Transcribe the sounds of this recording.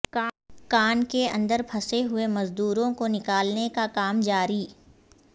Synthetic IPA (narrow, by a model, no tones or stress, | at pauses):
kːkaːnkeɐ̰̃nd̪əɾpʰɐseɦʊemɐzd̪uːɾõkonɪkaːlnekakaːmd͡ʒaːɾiː